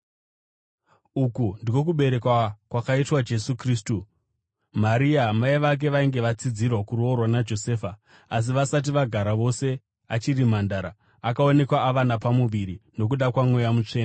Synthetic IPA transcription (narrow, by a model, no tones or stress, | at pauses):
ukundio̞k̬uɓe̞ɾe̞kwakwakaitwad͡ʒe̞sukriːstu | maɾiamaiʋak̬e̞ʋaiŋɡe̞ʋat͡sid͡zirwakurorwanad͡ʒo̞se̞ːfa | as̬iʋasat̬iʋaɡʱaɾaʋo̞se̞ | at͡ʃirimandaɾa | akao̞ne̞kwaːʋanapamuʋiɾino̞k̬uɗakwamwe̞jamut͡ʂe̞ːna